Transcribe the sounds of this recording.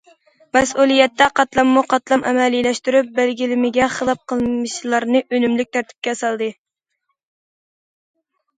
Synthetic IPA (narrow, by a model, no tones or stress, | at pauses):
mɛsulˠijɛt̪ːɛqʰɑt̪lˠɑmːuqʰɑt̪lˠɑmʔɛ̰mɛlilɛʃt̪yɾyp̚bælɡʲilɪmɪɡʲɛχəlˠɑp̚qʰəlˠmɨʃlˠɑɾnɨʔønymlyk̚ʲt̪ʰæɾt̪ʰɪ̥p̚kʲɛsɑlˠd̪ɨ